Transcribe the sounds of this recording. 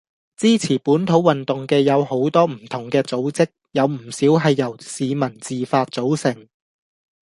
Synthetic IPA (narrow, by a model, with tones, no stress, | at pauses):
t͡siː˥t͡sʰiː˨˩puː˨˥nt̪ʰo˨˥wɐ˨nt̪ʊ˨ŋkɛː˧jɐ˨˧who˨˥wt̪ɔː˥m̩˨˩t̪ʰʊ˨˩ŋkɛː˧t͡so˨˥wt͡sɪ˥k̚jɐ˨˧wm̩˨˩siː˨˥wɦɐ˨jːɐ˨˩wsiː˨˧mɐ˨˩nt͡siː˨faː˧t̚t͡so˨˥wsɪ˨˩ŋ